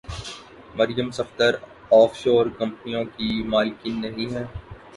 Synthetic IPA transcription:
mɐɾjəmsɐft̪əɾ | ɔːfʃoːɾkɐ̃mpnijõkimaːlkinːɐɦĩɦɛ̃ː

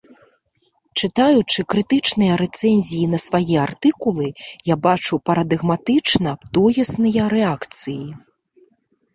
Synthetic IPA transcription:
t͡ʂɨt̪ajut͡ʂɨkɾɨt̪ɨt͡ʂnɨjɐɾɛt̪sɛnʲzʲijinɐsvajɛart̪ɨkulˠɨjabat͡ʂupɐɾɐd̪ɨɣmat̪ɨt͡ʂnɐpt̪ɔjɐsnɨjɐɾɛakt̪sɨji

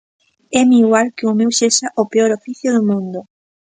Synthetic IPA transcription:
ɛmiɣwalkɪʊmewseʃaʔopeɔɾofiθjʊðʊmũnd̪ʊ

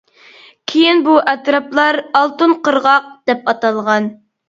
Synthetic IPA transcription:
kʲʰejinbuʔɛt̪ɾɑplˠɑɾɑlˠt̪ɨnqəɾʁɑq̚d̪̥ɛpɑt̪ɑlˠʁɑn

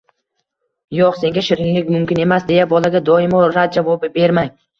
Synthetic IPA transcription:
joqse̞ŋɡʲaʃɪɾɪŋlɪkʲmʊmkʲɪne̞masd̪e̞jabɒlaɡʲad̪ɒɪmɒɾat̪̚d͡ʒavɒbɪbe̞ɾmaŋ

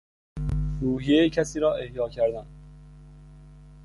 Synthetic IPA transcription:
ɾuːhijejcʰæsiːɾɒːʔe̞hjɒːcʰæɾd̪æn

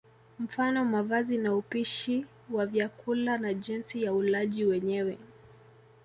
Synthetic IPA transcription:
m̩fanɔmavazinaupiʃi | wavjakulanaʄinsijaulaʄiwɛɲɛwɛ

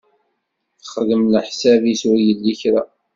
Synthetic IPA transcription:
θəχəðəmləħsæviswijəlːiçɾa̰

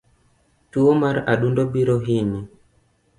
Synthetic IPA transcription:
tuɔmaɾaɗundɔbiɾɔɦini

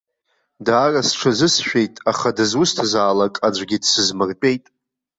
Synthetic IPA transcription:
daːrasʈ͡ʂʷʰazɨsʃᶣe̞jtʼaχadɨzwʊstʰazaːlakʼad͡ʒʷɡʲidsɨzmɨrpʼe̞jtʼ

